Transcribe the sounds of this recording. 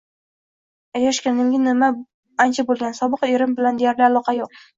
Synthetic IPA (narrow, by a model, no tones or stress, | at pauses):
ajaʃkʲanɪŋʲɪnɪma | ant͡ʃʰabolˠɡʲansɒbɨqeɾɪmbɪland̪ejaɾlɪalˠɒqʰɑjoq̚